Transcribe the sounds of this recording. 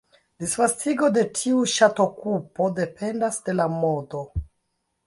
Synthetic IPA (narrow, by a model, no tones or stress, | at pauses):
disfastiɡo̞de̞tʰiuʃato̞kupo̞de̞pe̞ndasde̞lamodo̞